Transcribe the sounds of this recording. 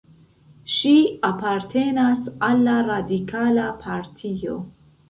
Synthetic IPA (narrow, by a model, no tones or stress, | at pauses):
ʃiapaɾtʰe̞nasalːaɾadikʰalapʰaɾtʰio̞̰